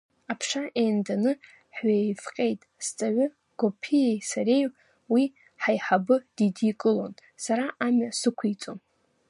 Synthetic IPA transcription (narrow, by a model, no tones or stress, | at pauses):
apʰʂaʔejndanɨ | ħɥefqʲʼe̞jtʼst͡sʼaʕʷʏ | ɡ̥opʰijejsaɾej | wi | ħajħabɨd̥idikʼɨlon | saɾaʔamasɨkʷʰijt͡sʼo̰n